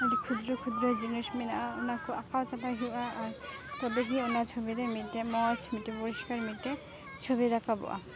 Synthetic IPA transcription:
eʈikʰud̪ɾokʰud̪ɾod͡ʑinoʃminao̰nakʰuakʰaot͡ʃapaɦiaʔaɾt̪ɔbek̬ionaɾt͡ʃʰobiɾemiʈemɔt͡ʃʰmiʈepoɾiʃkaɾmiʈe | t͡ʃʰobiɾakabo̰ʔa̰

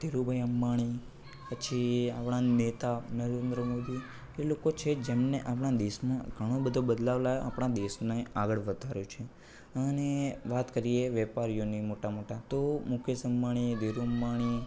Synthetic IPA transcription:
d̪̥ʱiɾubʱəjəmːaɽ̃i | pət͡ʃʰiapɳ̃anet̪anəɾend̪ɾəmod̪i | elokot͡ʃʰed͡ʒemneʔapɳ̃ad̪esmãɡʱəɽ̃õbəd̪ʱobəd̪laʋlajo̰apɳ̃ãd̪esneaɡəɭʋəd̪ʱaɾjot͡ʃʰe | əneʋat̪kəɾieʋɛpaɾijonimoʈamoʈat̪omʊkʰjəsəmːaɽ̃id̪ʱiɾuəmːaɽ̃i

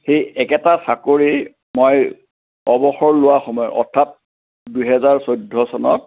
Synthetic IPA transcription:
xejɛkɛtasakoɹi | moj | ɔbɔxɔɹlʊwaxɔmɔjʔɔ̰tʰːat̚ | dujɦɛzaɹsojdʱːɔsɔnɔ̰t̚

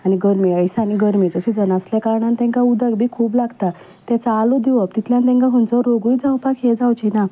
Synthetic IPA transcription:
aniɡəɾmiəjsaniɡəɾmiːd͡zəɕid͡zənasljakaɾɳant̪ɛ̃ŋkaud̪əɡbʱiːkʰuːplaɡt̪a | t̪ɛ̃t͡saːlod̪iʋəp̚t̪it̪ljant̪ɛ̃ŋkaɦunt͡sɔɾoɡujd͡zawpakɦed͡zawt͡ɕina

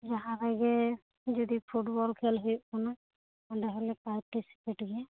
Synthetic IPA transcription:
d͡ʒaɦaɾaɡɛ | d͡ʒɔd̪ipʰuʈbɔlkʰɛlɦekunɔ | ɔɖɛɦɔlɛpaɾʈisi̥peʈɡɛ

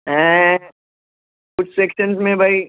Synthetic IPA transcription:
ɛ̃ | kʊt͡ʃʰsekʃənsmẽbʱai

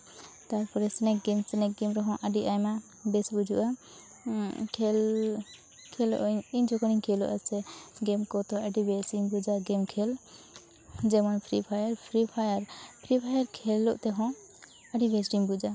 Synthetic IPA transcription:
t̪aɾpɔɾɛsɛnɛkɡɛmsɛnɛk̚ɡɛmɾɔɦɔ̃ʔəɖiʔajma | bɛsbud͡ʒṵʔa | kʰɛl | kʰɛl̰ʔiɲd͡ʒɔkɔniɲkʰɛlɔ̰ʔasɛɡɛmkɔt̪ɔəɖibɛsimbud͡ʒaɡɛmkʰɛl | d͡ʒɛmɔnpʰɾipʰajəɾpʰɾipʰajaɾpʰɾipʰajaɾkʰɛlːɔʔt̪ɛɦɔ̃ | əɖibɛsɖimbud͡ʒa

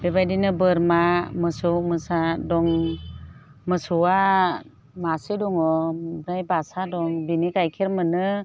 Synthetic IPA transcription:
b̥ebajdinɯbɯɾmamɯsumɯsadɔŋ | mɯsua | masidɔŋɔbɾajbasadɔŋbinikajkʰiɾmɯnɯ

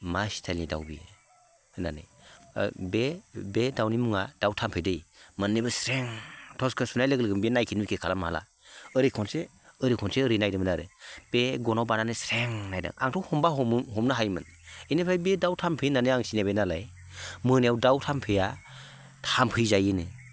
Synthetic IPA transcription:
masi̥tʰalnida̰wbḭ | na̰nɯ̰j | bebedawnimuŋad̥awtʰampʰɯjdɯjmɯnːibɯsɾeŋtʰɔskʰɯsunajlɯɡlɯɡɯmbinajkʰinujkʰekʰalamaala̰ | ɯɾikʰɔnse | ɯɾikʰɔnseɯɾinajdɯmnaɾɯb̥eɡɔnawbananɯsɾeŋnajda̰ŋa̰ŋtʰɔwhɔmbaɦɦɔmnaɦajmɯninɯpʰajbedawtʰampʰɯjnanɯaŋsinaβenalaj | mɯnejawdawtʰampʰɯja | tʰampʰɯjzajɯnɯ

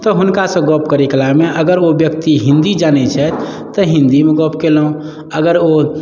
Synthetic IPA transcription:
t̪ɔɦunkasə̃ɡɔpkəɾeklameʔəɡəɾobjək̚t̪iɦĩnd̪id͡ʒanɛt͡ʃʰɛt̪ | t̪ːɔɦĩnd̪imeɡɔpkelɦũ | əɡəɾo

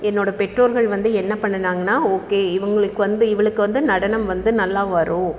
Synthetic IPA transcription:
ɛnːoːɽɐpɛʈroːɾɣɐɭʋɐnd̪ɯɛnːɐpːɐɳːɐnaːŋɡɐnːaːoːkeːɪʋɐŋɡɐɭɯkːɯʋɐnd̪ɯɪʋɐɭɯkːɯʋɐnd̪ɯnɐɽɐnɐmʋɐnd̪ɯnɐlːaːʋɐɾʊ̃

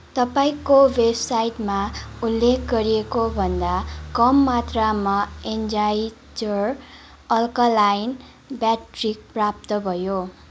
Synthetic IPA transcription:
t̪ʌpaĩkowebsajʈmaulːekʰɡʌɾiekobʱʌnd̪akʌmːat̪ramaend͡zaj | d͡zʌr | ʌlkʌlajn | bjaʈrik̚prap̚t̪ʌbʱʌjo

